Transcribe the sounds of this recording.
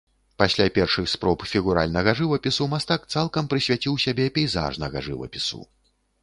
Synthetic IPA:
pasʲlʲapʲɛrʂɨxspɾɔpfʲiɣuɾa̰lʲnɐɣɐʐɨvɐpʲisumast̪ak̚t̪salˠkɐmpɾɨsʲvʲat͡sʲiwsʲabʲɛpʲɛjza̰ʐnɐɣɐ̰ʐɨ̰vɐ̰pʲisṵ

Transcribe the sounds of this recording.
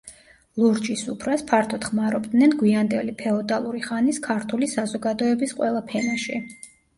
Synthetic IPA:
lˠuɾd͡ʒisṵpʰɾaspʰaɾt̪ʰɔt̪χmaɾɔbd̪nɛnɡwiand̪ɛlipʰɛɔd̪alˠuɾiχaniskʰaɾt̪ʰulisazɔɡad̪ɔɛbisqʼwɛlˠapʰɛnaʃi

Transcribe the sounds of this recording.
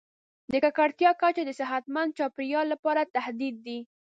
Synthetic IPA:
d̪əkakaɽt̪jɑkat͡ʃod̪əsɪɦat̪mand̪̚t͡ʃɑpɪɾjɑlːapɑɾat̪ahd̪id̪ːi

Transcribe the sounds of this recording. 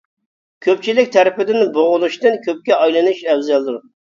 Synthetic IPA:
kʲʰøp̚t͡ʃʰilɪk̚ʲt̪ʰɛɾɪpɪd̪ɪnboʁʊlˠuʃt̪ɨnkʲʰøp̚kʲɛɑjlˠɨnuʃɛwzɛlˠd̪uɾ

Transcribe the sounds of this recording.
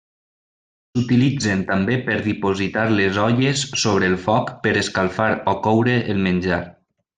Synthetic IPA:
sut̪ilid͡zent̪ambepəɾðipozit̪aɾlezɔʎesːoβ̞ɾəːlˠfɔkpəɾəskalˠfaɾɔkɔwɾəʔːlˠmənʲd͡ʒaɾ

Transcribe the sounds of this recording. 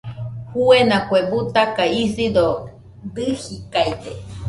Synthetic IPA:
huenãkwebut̪akaisid̪o | d̪ɨhikait̪e

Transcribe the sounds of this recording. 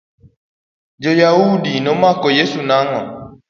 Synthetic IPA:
d͡ʒɔjaudinɔmakɔjesunaŋɔ

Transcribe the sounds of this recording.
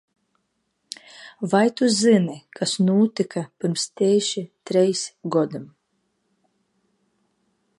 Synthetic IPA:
vajt̪uzɨnikasnuːt̪ikʰapʲɨɾmst̪ʲɛːʃit̪ɾɛjsɡɔd̪ɨm

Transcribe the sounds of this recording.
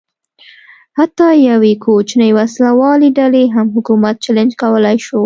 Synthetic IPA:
hat̪ːɑjawekʰot͡ʃnəjwaslawɑleɖaleɦamɦʊkumat̪̚t͡ʃalɪnd͡ʒkawəlajʃo

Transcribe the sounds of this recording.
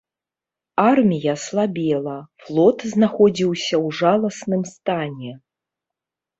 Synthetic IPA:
armʲijɐslˠabʲɛlˠɐflˠɔt̪znaxɔd͡zʲiwsʲɐwʐalˠɐsnɨmst̪anʲɛ

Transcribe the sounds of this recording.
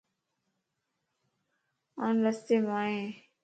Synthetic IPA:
aːnləst̪eːmaːɦẽː

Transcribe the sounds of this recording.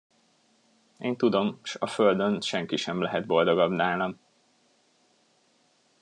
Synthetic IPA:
eːnt̪ud̪o̞mʃɒføld̪ønʃɛŋkiʃɛmlɛɦɛd̪̚bo̞ld̪o̞ɡɒbnaːlɒm

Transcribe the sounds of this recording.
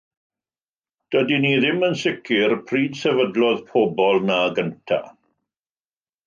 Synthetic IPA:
d̥ədiniðɪmənsɪkʰɪrpʰriːdsɛvədlɔðpʰɔbɔlˠnaɡəntʰa̰

